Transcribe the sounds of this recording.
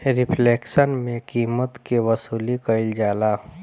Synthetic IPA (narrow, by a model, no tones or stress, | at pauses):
ɾɪpʰleːksənmẽkiːmət̪keʋəsuːlikəɪld͡ʒaːla